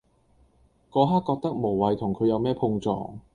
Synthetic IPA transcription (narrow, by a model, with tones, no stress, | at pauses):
kɔː˧˥ɦaː˥kːɔː˧k̚t̪ɐ˥k̚mo˨˩wwɐ˨˧jt̪ʰʊ˨˩ŋkʰɵ˨˧ɥjɐ˨˧wmɛː˥pʰʊ˧ŋt͡sɔ̰ː˨˩ŋ